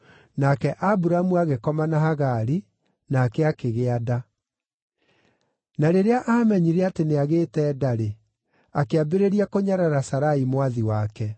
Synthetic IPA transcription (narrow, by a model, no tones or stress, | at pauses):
nakɛʔabuɾamuaɣekɔmanaɦaɣaɾi | naːkɛakeɣeada | naɾeɾeaʔaːmɛɲiɾɛateneaɣeːtɛːdaɾe | akeabeɾeɾiakoɲaɾaɾasaɾaimwaðiwakɛ